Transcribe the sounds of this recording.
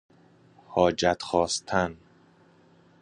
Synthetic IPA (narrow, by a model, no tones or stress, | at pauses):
hɒːd͡ʒæt̪ʰxɒːst̪ʰæn